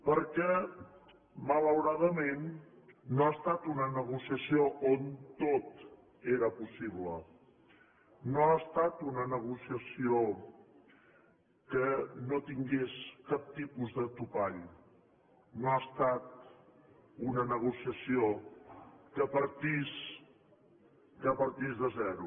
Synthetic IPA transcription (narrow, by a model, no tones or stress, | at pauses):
pəɾkɛ | mələwɾaðəmenː | oast̪at̪unənəɣ̞usiəsioʔont̪ot̪ | eɾəpusiβlə | noast̪at̪unənəɣ̞usiəsio | kənot̪iŋɡeskap̚t̪ipuzðət̪upaʎ | noast̪at̪̚ | unənəɣ̞usiəsio | kəpəɾt̪is | kəpəɾt̪izðəzɛɾu